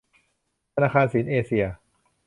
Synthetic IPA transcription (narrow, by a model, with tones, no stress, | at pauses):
t̪ʰa˧naː˧˩kʰaː˧nsiː˩˦nʔeː˧si˧ɐ